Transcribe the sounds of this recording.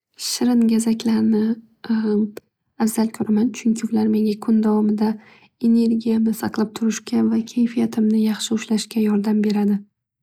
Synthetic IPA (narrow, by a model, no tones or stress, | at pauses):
ʃɪɾɪnɡʲazakʲʰlaɾnɪ | afz̥alkʰoɾamant͡ʃʰʊŋkʲʰɪʊvlaɾme̞ŋʲakʰʊnd̪avɒmɪd̪a | e̞ne̞ɾɡʲijamnɪsɑqlˠap̚t̪ʰʊɾɪʃkʲʰavakʲʰejfijat̪ʰɪmnɪjɑχʃɪʊʃlaʃkʲajɒɾd̪ambe̞ɾad̪ɪ